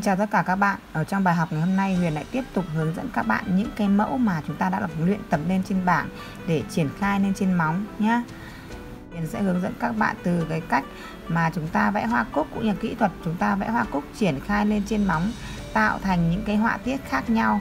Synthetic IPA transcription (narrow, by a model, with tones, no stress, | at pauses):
t͡ɕaː˨˩t̪ə˦˥t̚kaː˧˩kaː˦˥k̚ɓa̰ː˧˨nʔəː˧˩t͡ɕɔ˧ŋ͡mɓaː˨˩jɦɔ˨˩wk͡p̚ŋa˨˩jho˧mna˧jhwḭ˧˨ənla̰˧˥jt̪i˦˥əp̚t̪ʊ˨˩k͡p̚hɨ˨˦əŋzə̰˧˥nkaː˦˥k̚ɓa̰ː˧˨nɲɨ̰˧˥ŋkaː˨˦jmə̰˧˥wmaː˨˩t͡ɕʊ˨˦ŋ͡mt̪aː˧a̰ː˧˥la˨˩vŋlwḭ˧˨ənt̪ə˨˩m̚le˧nt͡ɕe˧nɓaː˧˩n | ɗe˧˩t͡ɕi˧˩ənxaː˧jle˧nt͡ɕe˧nma˨˦wŋ͡mɲaː˧ | hwḭ˧˨ənsɛ̰˧˥hɨ˨˦əŋzə̰˧˥nkaː˦˥k̚ɓa̰ː˧˨nt̪ɨ˨˩kaː˨˦jka˦˥jk̟̚ | maː˨˩t͡ɕʊ˨˦ŋ͡mt̪aː˧vɛ̰˧˥ɦwaː˧kʊ˦˥k̚ːʊ̰˧˥ŋ͡mɲə˨˧˩kḭ˧˥t̪ʰwə˨˩t̚t͡ɕʊ˨˦ŋ͡mt̪aː˧vɛ̰˧˥hwaː˧kʊ˦˥k͡p̚t͡ɕi˧˩ənxaː˧jle˧nt͡ɕe˧nma˨˦wŋ͡mt̪a̰ː˧˨wt̪ʰa˨˩jŋ̟ɲɨ̰˧˥ŋkaː˨˦jɦwa̰ː˧˨t̪i˦˥ət̚xaː˦˥k̚ɲa˧w